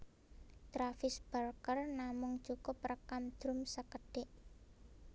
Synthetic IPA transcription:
t̪ɾafɪsb̥arkərnamʊŋ̥t͡ʃukʊp̚rəkamd̪̥ɾʊ̤msəkəɖ̥ɪʔ

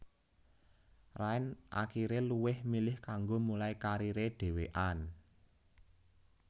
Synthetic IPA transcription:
raɪnʔa̰kiɾeluwɪhmilɪhkaŋɡomulaikaɾiɾeɖ̥e̤weʔan

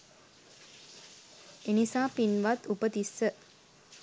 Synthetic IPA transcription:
enisaːpinʋat̪upət̪isːə

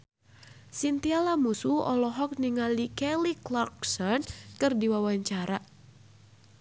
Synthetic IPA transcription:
sint̪ialamusuɔ̰lɔɦɔk̚niŋalikɛliklak̚sɔnkɨrdiwawaɲt͡ʃaɾa

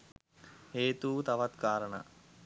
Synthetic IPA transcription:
heːt̪uːt̪aʋat̪kaːɾəɳa̰

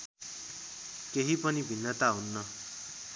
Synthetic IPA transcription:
keɦipʌnibʱinːʌt̪aɦunːʌ

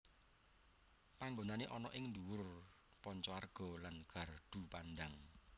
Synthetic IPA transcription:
paŋɡonaneʔɔnɔʔɪŋnduwʊr | pɔɲt͡ʃɔarɡ̥ɔ̤lanɡ̥a̤rɖ̪̥ṳpandaŋ

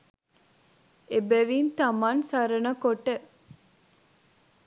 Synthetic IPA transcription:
ebeʋiːnt̪ɐmansɐɾənəkoʈe

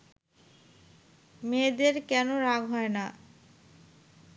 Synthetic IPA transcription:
med̪eɾkɛnoɾaɡɦɔena

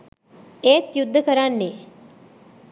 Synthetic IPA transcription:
eːt̪jud̪ʱːəkəɾanːeː

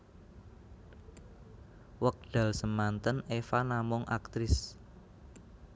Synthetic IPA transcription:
wək̚ɖ̪̥a̤lsəmant̪ənefanamɔŋʔa̰k̚t̪ɾɪs

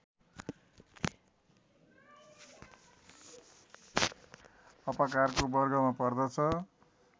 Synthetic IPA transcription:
ʌpʌkarkobʌrɡʌmapʌrd̪ʌt͡sʰʌ

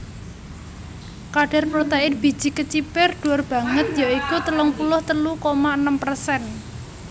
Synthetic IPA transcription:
kaɖ̥a̤rpɾot̪ɛɪnb̥i̤̥d͡ʒ̥i̤kət͡ʃipɪrɖ̪̥ṳarb̥ä̤ŋət̪̚jaikut̪əlʊŋpulʊht̪əlukomaənəmpərsɛn

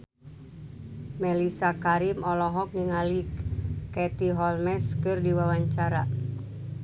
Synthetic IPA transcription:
mɛlisakaɾimɔlɔɦɔk̚niŋalikɛt̪iɦɔlmɛskɨrdiwawaɲt͡ʃaɾa

